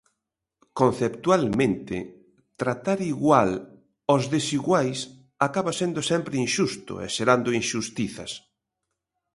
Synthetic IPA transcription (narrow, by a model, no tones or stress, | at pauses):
konθept̪ualmẽnt̪ɪ̰ | t̪ɾat̪aɾiɣwal | ozðesiɣwajs | akaβasend̪osɛmpɾɪinʃust̪ʊ̰ḛʃeɾand̪ʊinʃust̪iθɐ̰s